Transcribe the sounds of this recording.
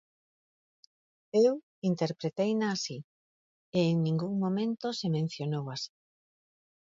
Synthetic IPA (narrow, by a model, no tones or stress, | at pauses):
ew | int̪eɾpɾet̪ejnaːsi | eːŋnĩŋɡuŋmomẽnt̪osemẽn̟θjonowasi̥